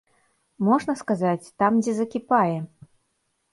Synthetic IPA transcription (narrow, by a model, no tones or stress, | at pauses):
mɔʐnɐskazat͡sʲt̪amd͡zʲɛzɐkʲipajɛ